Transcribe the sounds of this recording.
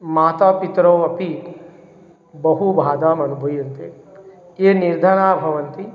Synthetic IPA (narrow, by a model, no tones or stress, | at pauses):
maːt̪aːpit̪ɾoːɐpi | bɐɦubʱaːd̪aːmɐnubʱujɐnt̪e | eːniɾd̪ʱaɽ̃aːbʱɐʋɐnt̪i